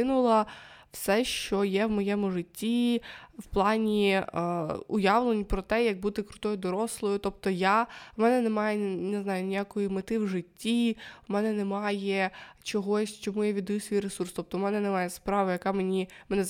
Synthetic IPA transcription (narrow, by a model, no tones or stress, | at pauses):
ɪnʊlˠɐwsɛʃt͡ʃɔjɛwmɔjɛmʊʐɪtʲːiwplˠɑnʲi | ʊjɑʋlˠenʲipɾɔt̪ɛjɐk̚but̪ɪkɾʊt̪ɔjʊd̪ɔɾɔslˠɔjʊt̪ɔp̚t̪ɔjawmɛnɛnemɑjɛnɪznɑjʊnʲijakɔjimɪt̪ɪwʐɪtʲːimɛnɛnɛmɑjɛt͡ʃɔɦɔsʲt͡ʃɔmujaʋʲid̪ɔjusʲʋʲijɾesurst̪ɔp̚t̪ɔmɛnɛnɛmɑjɛspɾɑʋɐjɐkɑmenʲimɛnɛ